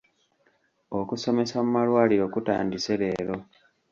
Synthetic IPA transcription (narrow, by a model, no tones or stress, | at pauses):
o̞kuso̞me̞samumalwaːliɾo̞kuta̰ːndise̞βe̞ːɾo̞